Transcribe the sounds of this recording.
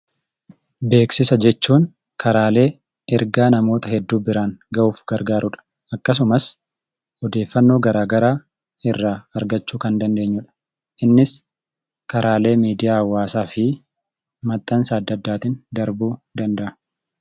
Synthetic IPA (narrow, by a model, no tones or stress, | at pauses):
be̞ːksɪsɐd͡ʒɛt͡ʃːuːŋ | kʰɐɾaːle̞ː | ɛɾɡaːnɐmo̞ːt̪ɐhɛd̪ːuːbɪɾaːŋɡɐʔuːfɡɐɾɡaːɾʔʊᶑɐ̥ | ɐkːɐs̬ʊmɐs | ɔd̪e̞ːfːɐnːo̞ːɡɐɾaːɡɐɾaː | ɪrːaːɐɾɡɐt͡ʃːuːkɐnd̪ɐnd̪e̞ːɲːʊːᶑɐ̥ | ʔɪnːɪs | kɐɾaːle̞ːmiːd̪ɪjaːɐwːaːsaːfɪ | mɐt̪ʼːɐnsaːɐd̪ːɐd̪ːaːt̪ɪnd̪ɐɾbuːd̪ɐnd̪ɐʔɐ̥